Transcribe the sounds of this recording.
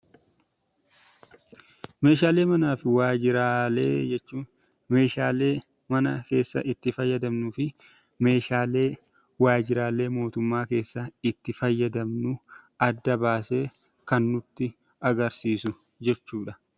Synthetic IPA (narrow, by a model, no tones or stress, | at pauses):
me̞ːʃaːle̞ːmɐnaːfɪwaːd͡ʒɪɾaːlḛːd͡ʒɛt͡ʃːuː | me̞ːʃaːleː | mɐnɐ̰ke̞ːsːɐ̰ʔɪt̪ːɪfɐjːɐd̪ɐmnʊfɪ | me̞ːʃaːle̞ː | waːd͡ʒɪɾaːle̞ːmo̞ːt̪ʊmːaːke̞ːsːɐɪt̪ːɪfɐjːɐd̪ɐmnʊ | ɐd̪ːɐbaːse̞ː | kɐnːʊt̪ːɪ | ɐɡɐɾsiːsʊ | d͡ʒɛt͡ʃːuːᶑɐ